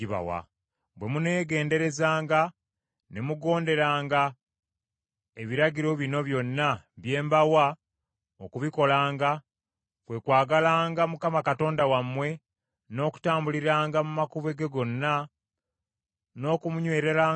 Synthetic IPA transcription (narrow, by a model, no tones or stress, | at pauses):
iβa̰wa̰ | bwe̞mune̞ːɡe̞ːnde̞ɾe̞zaːŋɡa | nemuɡo̞ːnde̞ɾaːŋɡa | eβiɾaɟiɾo̞βino̞βjo̞nːaβje̞ːmbawa | okuβiko̞laːŋɡa | kwe̞kwaːɡalaːŋɡamukamakato̞ːndawamːwe̞ | no̞ːku̥taːmbuliɾaːŋɡamumakuβe̞ɡeɡo̞nːa | no̞ːkumuɲwe̞ːɾe̞ɾaː